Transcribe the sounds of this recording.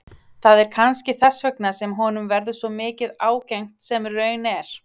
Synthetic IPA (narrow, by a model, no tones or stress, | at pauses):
θaðɛɾ̥kʰanscɪθɛsvœknasɛmɦɔːnʏmvɛɾðʏsvɔmɪːcɪðaːwcɛjŋ̥t̪sɛmrœːɥnɛɾ̥